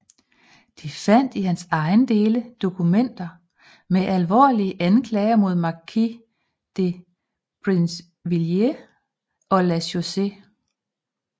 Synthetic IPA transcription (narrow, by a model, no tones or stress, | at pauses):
d̥ifæn̰d̥ihænsɑ̈ɪnd̥e̝ːləd̥o̝kʰumen̰d̥ɐ | meʔælʋɒ̰ːliəʔænkʰlɛːɪɐmo̝ð̞̰ˠmɑ̈kʰi | d̥e | pʰʁins | ʋilje | ʔɒ̽læso̝se̝